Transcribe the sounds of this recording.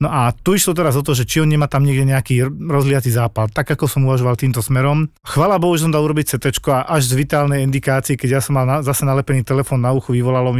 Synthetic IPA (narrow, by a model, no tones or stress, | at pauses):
nɔʔat̪uiʃlɔt̪ɛɾazɔt̪̬ɔːʒɛt͡ʃiɔnɲɛmaːt̪amɲɪɛɡɟɛɲɛakiːɾɔzɦlɪjat͡siːzaːpalt̪aɡakɔsɔmuʋaʒɔʋalt̪iːmt̪ɔsmɛɾɔmxʋaːlabɔɦuʒɛsɔmd̪aːluɾɔbic̚t͡sɛt̪ɛt͡ʃkɔaʔaʒzʋit̪aːlnɛjind̪ikaːt͡siɛkɛɟjasɔmːalnazasɛnalɛpɛniːt̪ɛlɛfɔːnːauxuʋiʋɔlalɔm